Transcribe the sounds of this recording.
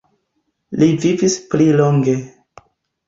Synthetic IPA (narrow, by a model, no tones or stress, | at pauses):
livivispliloŋɡe̞